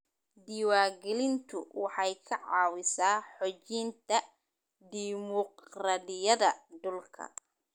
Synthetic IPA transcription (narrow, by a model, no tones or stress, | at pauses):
d̪iːwaːɡɛlɪnt̪ʰʊ̰wɑħɑjkʰɐʕɑːwɪsaːħɔt͡ʃint̪ʰɐ | d̪iːmɔqraːdɪjɐðɐd̪ʊlkʰɐ̰